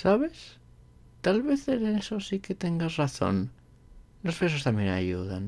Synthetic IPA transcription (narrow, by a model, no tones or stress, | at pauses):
saβ̞e̞s | t̪alβeθeɾeesosiket̪e̞ŋɡazraθo̞̰n | lo̞spes̬ost̪amjena̰ʝuðan